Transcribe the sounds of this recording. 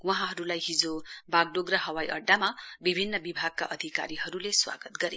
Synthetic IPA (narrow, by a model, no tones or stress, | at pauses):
wʌɦãɦʌɾulajɦid͡zobaɡ̚ɖoɡraɦʌwajʔʌɖːamabibʱinːʌbibʱaɡ̚kaʔʌd̪ʱika̰ɾiɦʌɾuleswa̰ɡʌt̪ɡʌɾe